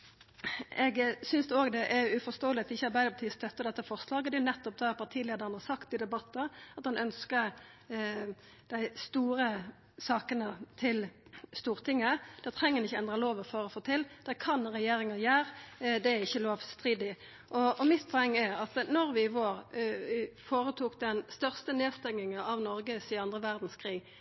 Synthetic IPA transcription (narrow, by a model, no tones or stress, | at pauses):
ɛɡsʏnsd̪ɛoːɡd̪ɛʔɛɾʉfɔst̪oːəlɪɑt̪ɪçːəɑɾbæɪd̪əpʰɑt̪iːst̪ʰœt̪ːəd̪ɛt̪ːəfɔʁslɑːɡəɔd̪ɛʊnɛt̪ːɔp̚d̪ɛpʰɑʁt̪ʰiːleːd̪əʁənɑsɑkt̪ɪd̪ɛbɑt̪ːəɑt̪hɑnœnskəɾ | d̪̥æɪst̪uːɾə | sɑːkənət̪ʰɪlst̪uːʁt̪ʰɪŋːəd̪̥æt̪ʰʁɛŋːəɾnɪçːəɛnd̪ʁɑloːʋəføːɾɔfoːt̪ʰɪld̪̥ækʰɑnʁɛjeːɾɪŋəjæːɾd̪ɛæɾɪçːəloːʋst̪ʁiːd̪ɪ | ʔɔɔmɪt̪pʰɔɛŋːæɑt̪nɔɾʋɪʋoːʁ | foːɾət̪ʰuːkd̪ɛnst̪œʁst̪əneːst̪ɛŋːɪŋəɑʋnɔɾɡəsɪɑnd̪ʁəʋæʁd̪n̩skʰʁiːɡ